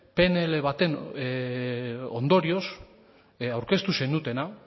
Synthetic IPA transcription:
pe̞neleβat̪e̞n | o̞nd̪o̞ɾio̞s | awɾke̞st̪use̞nut̪e̞na

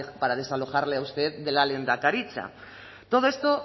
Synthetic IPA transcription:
paɾað̞e̞salo̞xaɾle̞awst̪e̞ðde̞lalend̪akaɾit͡ʃa̰ | t̪o̞ð̞o̞e̞st̪o

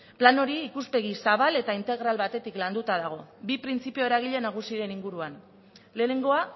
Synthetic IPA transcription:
plano̞ɾiːkuspe̞ɣ̞isaβ̞ale̞t̪aint̪e̞ɣɾalβat̪e̞t̪ikland̪ut̪aðaɣ̞o̞bipɾint͡sipio̞eɾaɣ̞iʎe̞naɣ̞usiɾe̞niŋɡuɾuan | le̞ːne̞ŋɡo̞a

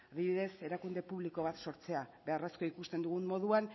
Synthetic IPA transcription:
aβiβiðe̞se̞ɾakund̪e̞puβliko̞βat̪so̞ɾt͡se̞aβe̞aresko̞ikust̪e̞nd̪uɣummo̞ð̞uan

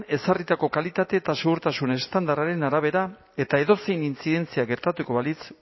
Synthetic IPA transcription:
ne̞sarit̪ako̞kalit̪at̪e̞ːt̪aseɣuɾt̪asune̞st̪and̪araɾe̞naɾaβ̞e̞ɾa | e̞t̪aeðo̞se̞jnint͡siðe̞nt͡siaɡe̞ɾt̪at̪uko̞βalit͡s

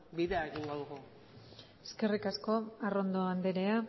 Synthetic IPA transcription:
biðeaeɣiŋɡoðuɣu | eske̞rikasko̞aro̞nd̪oand̪eɾe̞a

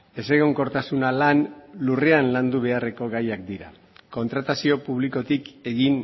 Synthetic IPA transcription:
e̞se̞ɣ̞o̞ŋko̞ɾt̪asunalanlureanland̪uβ̞e̞are̞ko̞ɣajak̚d̪iɾa̰ | ko̞nt̪ɾat̪asio̞puβliko̞t̪ike̞ɣin

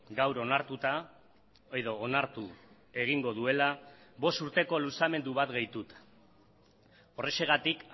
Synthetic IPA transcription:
ɡawɾo̞naɾt̪ut̪a | eðo̞ːnaɾt̪u | e̞ɣ̞iŋɡo̞ðue̞laβo̞st̪uɾt̪e̞ko̞lusame̞nd̪uβat̪ɡejt̪ut̪ | ore̞se̞ɣ̞at̪ik

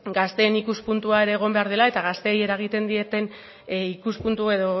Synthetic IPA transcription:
ɡast̪e̞ːnikuspunt̪uae̞ɾe̞ːɣ̞o̞mbe̞aɾð̞elae̞t̪aɣast̪e̞ːje̞ɾaeɣ̞it̪e̞nd̪ie̞t̪e̞n | ikuspunt̪ue̞ðo̞

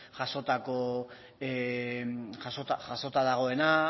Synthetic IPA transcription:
ʝaso̞t̪ako̞ | e | ʝasot̪aʝaso̞t̪aðaɣ̞o̞e̞na

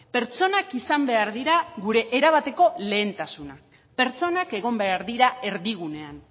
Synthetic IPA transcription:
pe̞ɾt͡so̞nakisambe̞aɾðiɾaɣuɾe̞ʔːɾaβ̞at̪e̞ko̞le̞ːnt̪asuna | pe̞ɾt͡so̞nake̞ɣ̞o̞mbe̞aɾðiɾae̞ɾðiɣ̞une̞an

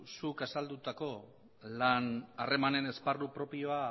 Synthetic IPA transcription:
sukasald̪ut̪ako̞ | lanare̞mane̞ne̞sparupɾo̞pio̞a

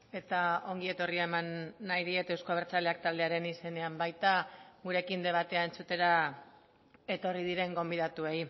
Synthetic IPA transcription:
e̞t̪ao̞ŋɡie̞t̪o̞riaemanːajɾie̞t̪ewskoaβeɾt͡sale̞ak̚t̪ald̪e̞aɾe̞nise̞ne̞ambajt̪aɣuɾe̞kind̪e̞β̞at̪e̞ae̞nt͡sut̪e̞ɾa | e̞t̪o̞rið̞iɾe̞ŋɡo̞mbið̞at̪ue̞j

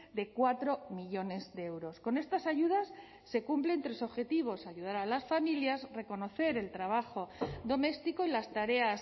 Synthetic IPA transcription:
d̪e̞kwat̪ɾo̞miʎo̞ne̞zðeewɾo̞sko̞ne̞st̪asaʝuð̞asː | e̞kumplent̪ɾe̞so̞βxe̞t̪iβ̞o̞saʝuð̞aɾalasfamiljazre̞ko̞no̞θe̞ɾe̞lt̪ɾaβ̞axo̞d̪o̞me̞st̪iko̞ilast̪aɾe̞as

